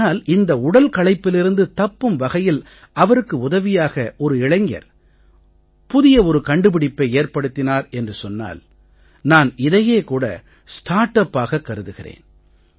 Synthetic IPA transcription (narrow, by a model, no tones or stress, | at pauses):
aːlɪnd̪ɐʊɽɐlkɐɭɐɪpːɪlɪɾɯnd̪ɯt̪ɐpːɯmʋɐɣɐjɪl | ʔɐʋɐɾɯkːɯʊðɐʋɪjaːɣɐʔɔɾɯɪɭɐŋɡɐ̰ɾ | pʊðɪjɐɔɾɯkɐɳɖɯpɪɽɪpːɐɪeːrpɐɽɯt̪ːɪnaːɾɛndrɯsɔnːa̰ːl | naːnɪðɐjeːkuːɽɐ̰ | sʈaːʈːɐpːaːɣɐkːɐɾɯðɯɣɪrḛːn